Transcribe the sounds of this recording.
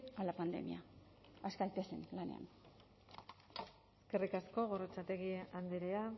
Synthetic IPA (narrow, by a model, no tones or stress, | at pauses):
alapand̪e̞̰mḭa | askajt̪esḛnlane̞̰a̰n | eske̞rikasko̞ɣo̞rot͡sat̪e̞ɣieand̪eɾea